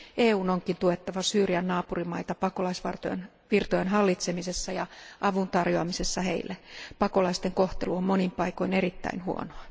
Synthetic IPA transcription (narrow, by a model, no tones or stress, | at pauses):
eːuːnoŋkint̪uet̪ːɑʋɑsyːriænːɑːpurimɑit̪ɑpɑko̞lɑisʋɑ̰rt̪o̰ḛn | ʋirt̪ojenɦɑlːit̪semisesːɑjɑʔɑʋunt̪ɑrjoɑmise̞sːɑhḛilːæpɑko̞lɑist̪eŋko̞ht̪e̞luommo̞nimpɑiko̞ine̞rit̪ːæ̰inhuo̰noɑ